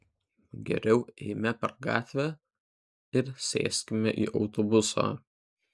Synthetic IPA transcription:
ɡʲɛ̰ɾʲɛʊɛ̰ɪmʲɛpʲɛɾɡɑ̰ːt̪ʲʋʲæ | ɪɾsʲḛːsʲkʲɪmʲɛʔḭːʔɒʊt̪obʊso̰ː

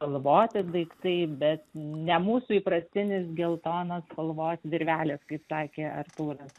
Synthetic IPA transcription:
pɐlˠʋoːt̪ʲɪd̪ɐɪkt̪ɐɪbʲɛt̪nʲɛmuːsuiːpɾɐsʲt̪ʲɪnʲɪs̬ɡʲɛlˠt̪oːnɐspɐlˠʋoːsʲʋʲɪɾʲʋʲæːlʲɛːskɐɪpsɑːkʲeːɐ̰rt̪uːɾɐs

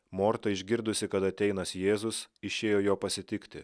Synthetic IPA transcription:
moːɾt̪ɐɪʒʲɡʲɪɾd̪ʊsʲɪkɐt̪ɐt̪ʲɛɪnɐsjeːzʊsɪʃʲeːjoːjoːpɐsʲɪt̪ʲɪkt̪ʲɪ

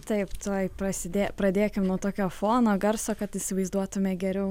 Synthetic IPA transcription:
t̪ɐɪpt̪oːjpɾɐsʲɪd̪ʲeːpɾɐd̪ʲeːkʲɪmnuɔt̪oːkʲoːfoːnoːɡɐɾsoːkɐt̪ɪsʲɪʋɐɪzd̪uɔt̪ʊmʲɛɡʲɛɾʲɛʊ

